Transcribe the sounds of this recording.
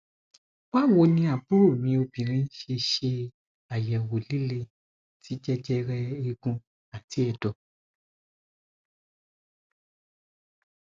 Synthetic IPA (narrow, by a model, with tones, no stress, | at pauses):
wa˦wo˧nĩ˧a˨bu˦ɾu˦˨mĩ˧o˧bĩ˨ɾ̃ĩ˧˦ʃe˧ʃe˧ | a˨jɛ˨wo˨li˦le˧ | tʰi˨˦d͡ʒɛ˦d͡ʒɛ˦ɾɛ˧i˧ɡũ˧ | a˨ti˨˦ɛ˧˨dɔ˨